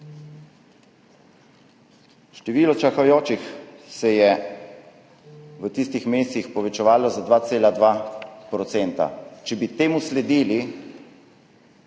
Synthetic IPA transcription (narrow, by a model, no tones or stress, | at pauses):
ʃt̪ɛʋiːlɔt͡ʃaxajoːt͡ʃixsɛjɛ | ʋət̪ist̪ixmeːst̪ixpɔʋɛt͡ʃɛʋaːlɔzad̪ʋaːt̪seːlad̪ʋapɾɔt̪sɛːnt̪a̰t͡ʃɛbit̪eːmuslɛd̪iːli